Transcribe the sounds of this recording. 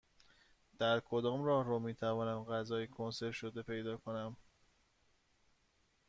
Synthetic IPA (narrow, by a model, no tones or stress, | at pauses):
d̪̥æɾkʰo̞d̪ɒːmɾɒːhɾɒːmiːt̪ʰævɒːnæmɢæzɒːjikʰonse̞ɾʃod̪e̞pʰe̞jd̪ɒːkʰo̞næm